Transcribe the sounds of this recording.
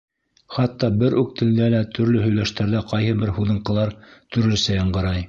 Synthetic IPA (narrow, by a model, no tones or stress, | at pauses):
χɑt̪ːɑbɘɾʔʉk̚t̪ʰɘ̆ld̪ælæt̪ʰɵ̆ɾlɵɦɵ̆jlæʃt̪æɾðæqɑjɦɤbɘɾhuðɤ̆ɴqɤ̆lˠɑɾt̪ɵ̆ɾlɵ̆sæjɑɴɢɤ̆ɾɑj